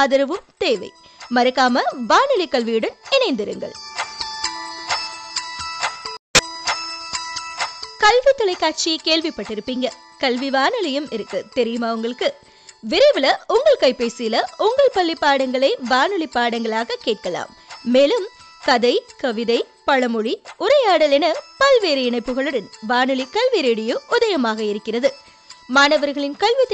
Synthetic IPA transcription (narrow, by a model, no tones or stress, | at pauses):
ɐðɐɾɐʋɯmt̪eːʋɐ̰ɪ | mɐɾɐkːaːmɐʋaːnɯlɪkːɐɭʋijɽɐnɪnɐɪnd̪ɪɾɯŋɡɐ̰ɭ | kɐlʋɪt̪ːɔɭɐɪkːaːʈ̚t͡ʃikeːɭʋɪpːɐʈːɪɾɯpːiːŋɡɐ | kɐlʋiʋaːnɯlɐjɯmɪɾɯkːɯt̪ɛɾɪjɯmɐʋɐŋɡɐɭɯkːɯ | ʋɪɾɐɪʋɪlɐʔʊŋɡɐɭkɐɪpːeːsɪjlɐʔʊŋɡɐɭpɐɭːipːaːɽɐŋɡɐɭɐɪʋaːnɯɭɪpːaːɽɐŋɡɐɭaːɣɐkeːʈ̚kɐɭa̰ːmː | eːlɯm | kɐðɐɪkɐʋɪðɐɪ | pɐɻɐmɯɻiʊɾɐjaːɽɐlɛnɐpɐlʋeːɾɐɪɳɐɪpːɯɣɐɭɯɽɐnʋaːnɯɭɪkɐlʋiɾeːɽɪjɯʔʊðɐjɐmaːɣɐɪɾɯkːɪrɐðɯ | maːnɐʋɐɾɣɐɭɪnkɐɭʋɪt̪ː